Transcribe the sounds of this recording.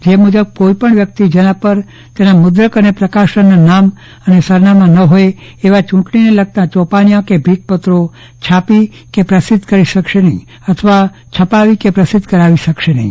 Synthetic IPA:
d͡ʒemud͡ʒəb̚koipəɳʋjək̚t̪id͡ʒənãpəɾ | t̪enamʊd̪ɾəkənepɾəkaʃənanam | ənesəɾnamãnəɦoje | eʋat͡ʃʊ̃ʈɳineləɡ̚t̪ãt͡ʃɔpanijãkebʱit̪̚pət̪ɾo | t͡ʃʰapi | kepɾəsɪd̪ʱkəɾiʃəkʃenəɦĩ | ət̪ʰəʋa | t͡ʃʰəpaʋikepɾəsɪd̪ʱkəɾaʋiʃəkʃenəɦĩ

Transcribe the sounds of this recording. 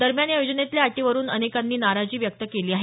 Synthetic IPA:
d̪əɾmjanjajod͡ʑənet̪ljaaʈiʋəɾuːnənekanːiːnaɾad͡ʑiːʋjək̚t̪əkeliːaɦe

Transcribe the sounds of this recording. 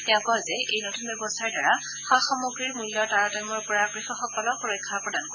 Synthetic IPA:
tɛãkɔzɛʔejnotʰunbjɛbɔstʰaɹdaɹa | xaxɔmuɡɹiɹmulːɔɹtaɹɔtamɔɹpɔɹakɹixɔxɔkɔlɔxuɹɔjkʰːaɹpɹɔdankɔ

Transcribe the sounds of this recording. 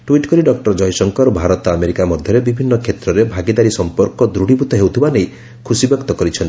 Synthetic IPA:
ʈwiʈkɔɾiɖɔkʈɔɾd͡ʒɔjsɔŋkɔɾbʱaɾɔt̪ɔameɾikamɔd̪ʱjɔɾebibʱinːɔkʰet̪ɾɔɾebʱaɡid̪aɾisɔmpɔɾkɔd̪ɾuɽibut̪ɔɦewt̪ʰibanej | kʰusibjɔkt̪ɔkɔɾit͡ʃʰɔnt̪i̥

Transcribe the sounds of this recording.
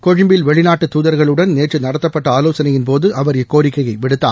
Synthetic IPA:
kɔɻɪmbɪlʋɛɭɪnaːʈːɯt̪ːuːðɐɾɣɐɭɯɽɐnneːʈrɯnɐɽɐt̪ːɐpːɐʈːɐaːloːsɐnɐjɪnpoːðɯʔɐʋɐɾjɐkːoːɾɪkːɐjɐɪʋɪɽɯt̪ːa̰ː

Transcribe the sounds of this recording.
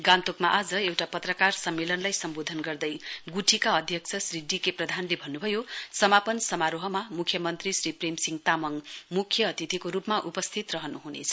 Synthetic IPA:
ɡant̪okmaʔad͡zʌewʈapʌt̪rʌkarsʌmːelʌnlajsʌmbod̪ʱʌnɡʌrd̪ʌjɡuʈʰikaʌd̪ʱjʌkt͡sʰʌsriɖːikeprʌd̪ʱanlebʱʌnːubʱʌjosʌmapʌnsʌmaɾoɦʌmamukʰjʌmʌnt̪risripremsiŋt̪amʌŋmukʰjʌːt̪it̪ikoɾupmaʔupʌst̪ʰit̪rʌɦʌnuɦunḛt͡sʰʌ

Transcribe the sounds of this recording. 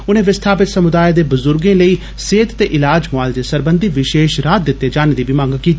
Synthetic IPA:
ʊnẽːʋɪst̪ʰaːpɪt̪səmʊd̪aːed̪eːbʊzʊɾɡẽːləiː | seːt̪t̪eːʔɪlaːd͡ʒmaːld̪eːsəɾbənd̪iːʋɪʃeːʃɾaːt̪̚d̪ɪt̪ːeːd͡ʒaːneːd̪iːbɪmãːŋɡkiːt̪ːi

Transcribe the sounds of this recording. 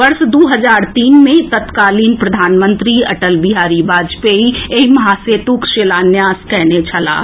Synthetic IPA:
ʋəɾsd̪uɦəd͡ʒaːɾt̪iːnmẽt̪ət̪kaːlinpɾəd̪ʱaːnmə̃nt̪ɾiɐʈəlbiɦaːɾibaːd͡ʒpeieimɐɦaset̪ukʃeːlanjaːskɛɦnet͡ʃʰəla̰ː

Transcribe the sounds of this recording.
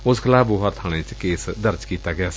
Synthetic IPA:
ʊskʰəlaːboːɦəɾt̪ʰaːɽ̃ẽːt͡ʃkeːsd̪əɾd͡ʒkiːt̪aːɡɪjaːs

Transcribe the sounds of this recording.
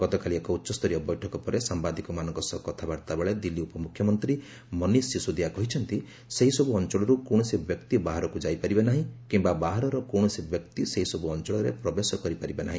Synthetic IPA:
ɡ̥ɔt̪ɔkaliekɔutːʃɔst̪ʰɔɾiɔbɔjʈʰɔkɔpɔɾesambad̪ikɔmanɔŋkɔsɔkɔt̪ʰabaɾt̪abeɭed̪ilːiupɔmukʰjɔmɔnt̪ɾi | mɔnisːisud̪iakɔɦit͡ʃʰɔnt̪i | seɦisɔbuɔnt͡ʃɔɭɔɾukõɔsibjɔkt̪ibaɦaɾɔkud͡ʒajpaɾibanaɦĩkimbabaɦaɾɔɾɔkoɳɔsibjɔkt̪iseɦisɔbuɔnt͡ʃɔɭɔɾḛpɾɔbesɔkɔɾipaɾibanaɦĩ

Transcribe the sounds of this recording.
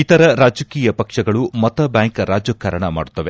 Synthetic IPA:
it̪ɐɾɐɾaːd͡ʒɐkiːjɐpɐkʂɐɡɐɭumɐt̪ɐbjaːŋkɐɾaːd͡ʒɐkːɐɾɐɳɐma̰ːɽut̪ːɐʋe

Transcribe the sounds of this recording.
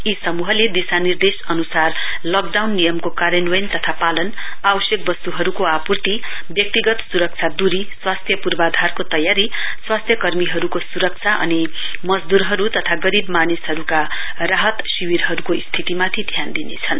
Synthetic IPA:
isʌmuɦʌled̪isanird̪esʌnusarlʌkɖawnːijʌmkokaɾjʌnwʌjnt̪ʌt̪ʰapalʌnabʌsjek̚bʌst̪uɦʌɾukoapurt̪ibjʌk̚t̪iɡʌt̪suɾʌk̚t͡sʰad̪uɾiswast̪ʰjʌpurbad̪ʱarkot̪ʌjaɾiswast̪ʰjʌkʌrmiɦʌɾukosuɾʌk̚t͡sʰaʔʌ̰ni | mʌd͡zd̪uɾɦʌɾut̪ʌt̪ʰaɡʌɾibmanisɦʌɾuka | raɦʌt̪siwiɾɦʌɾukoist̪ʰit̪imat̪ʰit̪ʰjand̪inḛt͡sʰʌn

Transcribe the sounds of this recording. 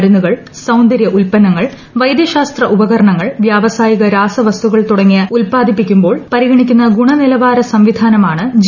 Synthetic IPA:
ɾunːuɣɐɭ | sɐwnd̪ɐɾjɐʔulpɐnɐŋːɐɭ | ʋɐjd̪jɐɕaːst̪rɐʔubɐɣɐɾɐɳɐŋːɐɭʋjaːʋɐsaːjiɣɐɾaːsɐʋɐst̪uɣɐɭt̪uɽɐŋːijɐulpaːd̪ʱipːikʲːumbo̞ːɭpɐɾiɣɐɳikʲːunːɐɡuɳɐnilɐʋaːɾɐsɐmʋid̪ʱaːnɐmaːɳɨd͡ʑ

